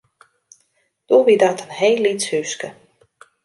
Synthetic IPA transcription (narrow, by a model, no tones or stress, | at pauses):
d̥oʋidatʰənhejlːitshyskə